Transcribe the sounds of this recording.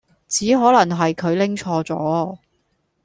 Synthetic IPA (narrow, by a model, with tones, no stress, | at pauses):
t͡siː˨˥ɦɔː˨˥lɐ˨˩ŋɦɐ˨jkʰɵ˨˧ɥlɪ˥ŋt͡ʃʰɔː˧t͡sɔ̰ː˨˥